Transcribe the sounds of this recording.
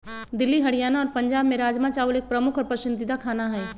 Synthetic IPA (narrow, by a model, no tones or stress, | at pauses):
d̪ɪlːiɦɐɽijaːnaɔːɾpɐ̃ɲd͡ʒaːbmẽɾaːd͡ʒmãt͡ʃaːʋəleːk̚pɾɐmʊkʰɔːɾpɐʃɪnd̪ɪd̪akʰaːnaɦɛː